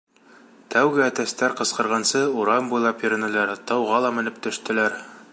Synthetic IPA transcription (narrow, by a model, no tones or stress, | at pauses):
t̪ʰæwɡɘæt̪æst̪æɾqɤ̆sqɤ̆ɾʁɑnsɤuɾɑmbujlˠɑpjɵ̆ɾɘ̆nɘ̆læɾt̪ɑwʁɑlˠɑmɘ̆nɘp̚t̪ɵ̆ʃt̪ɘ̆læɾ